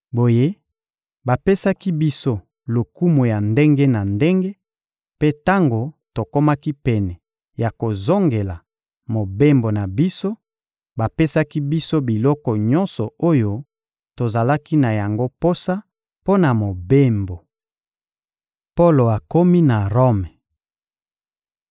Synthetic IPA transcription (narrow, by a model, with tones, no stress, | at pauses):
bo˨je˦ | ba˨pe˦sa˦ki˦bi˦so˦ | lo˨ku˦mo˨ja˨nde˦ŋɡe˦na˨nde˦ŋɡe˦ | pe˦ta˦ŋɡo˨to˨ko˦ma˦ki˦pɛ˨nɛ˨ | ja˨ko˨zo˦ŋɡe˨la˨ | mo˨be˦mbo˨na˨bi˦so˦ | ba˨pe˦sa˦ki˦bi˦so˦bi˨lɔ˦kɔ˨ɲɔ˦nsɔ˨o˦jo˦ | to˨za˨la˦ki˦na˨ja˨ŋɡo˦po˦sa˦ | po˦na˨mo˨be˦mbo˨ | po˦lo˨a˨ko˦mi˦na˨ʁo˦mɛ˨